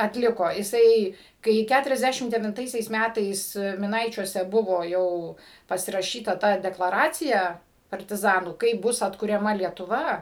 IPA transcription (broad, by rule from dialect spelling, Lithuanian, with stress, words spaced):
ɐtʲˈlʲɪkoː ɪˈsɐɪ kɐɪ ˌkʲætʊrʲɛzʲˈdʲæʃʲɪm dʲɛʋʲɪnˈtɐɪsʲɛɪs ˈmʲætɐɪs mʲɪˈnɐɪt͡ʃʲuɔsʲɛ ˈbʊʋoː ˈjɛʊ pɐsʲɪrɐˈʃʲiːtɐ ˈtɐ dʲɛklˠɐˈrɑːt͡sʲɪjɛ pɐrʲtʲɪˈzɑːnuː ˈkɐɪp ˈbʊs ɐtkʊrʲɛˈmɐ lʲiɛtʊˈʋɐ